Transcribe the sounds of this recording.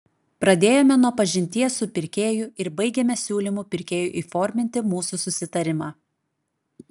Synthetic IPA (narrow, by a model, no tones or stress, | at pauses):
pɾɐd̪ʲeːjoːmʲɛnuɔpɐʒʲɪnʲt̪ʲiɛsʊpʲɪɾʲkʲeːjʊɪɾbɐɪɡʲɛmʲɛsʲuːlʲimupʲɪɾʲkʲeːjʊʔiːfɔːɾʲmʲɪnʲt̪ʲɪmuːsusʊsʲɪt̪ɐɾʲɪmɑː